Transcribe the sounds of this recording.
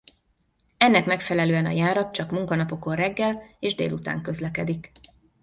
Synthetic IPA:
ɛnːɛkmɛkfɛlɛløːɛnɒ̰jaːɾɒt̪̚t͡ʃɒkmuŋkɒnɒpo̞ko̞rrɛɡːɛleːʒd̪ḛːlut̪a̰ːŋkø̞zlɛkɛd̪ik

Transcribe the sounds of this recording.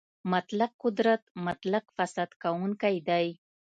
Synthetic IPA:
mat̪laq̚qʊd̪ɾat̪mat̪laqfasad̪kawuŋkajd̪aj

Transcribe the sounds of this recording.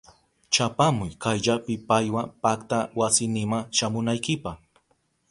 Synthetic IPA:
t͡ʃapamʊjkajʎapɪpajwapakt̪awasɪnɪmaŋʃamʊnajkɪpɑχ

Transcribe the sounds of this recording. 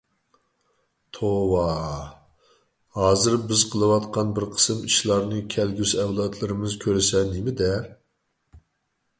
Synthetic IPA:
t̪ʰowɑ | hɑːzɨɾbɪzqʰəlˠɨwɑt̪qɑnbɪɾqʰə̥sɨmiʃlˠɑɾnɨkʲʰɛlɡʲyzɛwlˠɑt̪ʰlˠɨɾɨmɨzkʲʰøɾɪsɛnɪmɪd̪ɛ

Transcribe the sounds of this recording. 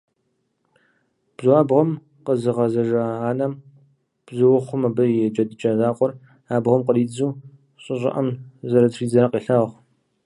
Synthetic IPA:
b̥zaːbʁɐm | qəzɨʁɐzɐʒɐaːnɐm | b̥zɨwʊχʷʊmɐbɐjɛd͡ʒʼɐdɨt͡ʃʼɐzaːqʷʼɔr | aːbʁɐmqəriːd͡zuː | ɕʼɪɕʼɪ̰ʔɐmzɐɾɐtriːzɐɾɐqʼiːɬɐʁʁʷ

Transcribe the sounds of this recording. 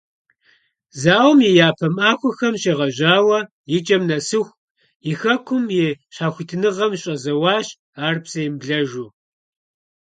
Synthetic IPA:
zaːwmjijaːpʰɐmaːxʷɔxɐmɕeʁɐʑaːwɐ | jɪt͡ʃʼɐmnɐsɨxʷ | jɪxɐkʷʰʊmjeɕaːxʷitʰɨnɨʁɐmɕʼɐzɐwɑːɕ | aːrpsɐjɪmbɮɐʒuː

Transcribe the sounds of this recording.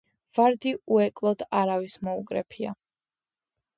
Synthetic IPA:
v̥aɾd̪iuɛkʼlˠɔd̪aɾavismɔukʼɾɛ̰pʰia̰

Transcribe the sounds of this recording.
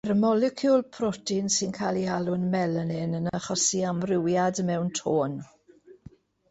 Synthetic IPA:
ɾəmɔlɛkʰjʊlˠpʰrɔtʰɪnsɪnkʰaːlˠialˠʊnmɛlənɪnənəχɔsiamrɪwjadmɛwntʰoːn

